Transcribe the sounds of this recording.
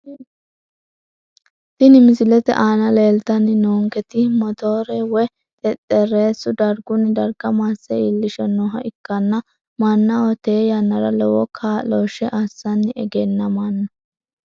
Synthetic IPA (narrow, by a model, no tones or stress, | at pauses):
t̪ɪnɪmɪsɪlɛt̪ɛ̰ʔaːnɐleːlt̪ɐnːɪnoːŋkɛt̪ɪmɔt̪oːɾɛwɔ | t̪ʼɛt̪ʼːɛreːsːʊd̪ɐɾɡʊnːɪd̪ɐɾɡɐmasːɛilːɪʃɛnɔːɦɐ̰ʔɪkːɐnːɐ | mɐnːɐwɔt̪eːjɐnːɐɾɐlɔwɔkʰaːloːʃɛʔɐsːɐnːɪʔɛɡɛnːɐmɐnːɐ